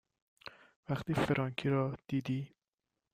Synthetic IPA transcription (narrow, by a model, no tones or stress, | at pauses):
væχt̪iːfeɾʔɒŋkʰiɾɒːd̪̥iːd̪iː